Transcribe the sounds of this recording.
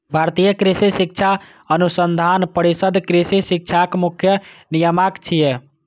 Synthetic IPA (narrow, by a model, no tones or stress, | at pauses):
bʱaɾt̪ijəkɾisesik̚t͡ʃʰa | ənusənd̪ʱanpəɾisəd̪ʱkɾisesik̚t͡ʃʰakmukʰjənijəmakt͡ʃʰije